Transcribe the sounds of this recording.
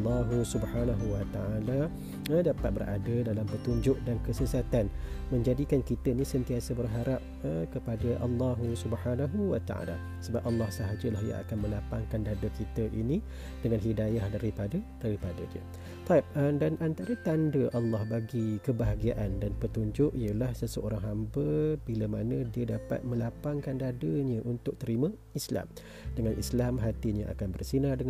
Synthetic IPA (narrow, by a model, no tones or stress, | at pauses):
lːɑɦusubħanaɦuwat̪aala | ədapat̪̚bəɾʔa̰dədalampət̪uɲd͡ʒʊʔ̚dankəsəsat̪anmə̃ɲd͡ʒadikankit̪əinĩsənt̪iasəbərɦaɾap̚əkəpadəʔɑlːɑɦusubħanaɦuwat̪a̰ʔa̰la̰ | səbap̚ʔɑlːɑhsəɦad͡ʒəlahja̰a̰kanmə̃lapaŋkand̪andəkit̪əʔinĩ | d̥əŋanɦidajahdaɾipadəd̥aɾipadədiə̰ | t̪aip̚ədanʔant̪aɾət̪andəʔɑlːɑhbaɡikəbaɦaɡiaʔandanpət̪uɲd͡ʒʊʔiəlahsəsəoɾaŋɦambəbiləmanə̃diədapa̰t̪̚mə̃lapaŋkandadəɲə̃ʔunt̪ʊk̚t̪əɾimã | isla̰m | dəŋanʔislamɦat̪iɲəa̰kanbərsinadə